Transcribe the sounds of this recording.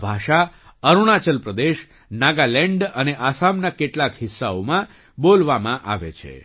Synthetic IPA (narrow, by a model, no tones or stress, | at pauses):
bʱaʃa | əɾuɳ̃at͡ʃəlpɾəd̪eʃ | naɡalɛɳɖəneʔasamnakeʈlakɦɪsːaomã | bolʋamãʔa̰ʋḛt͡ʃʰḛ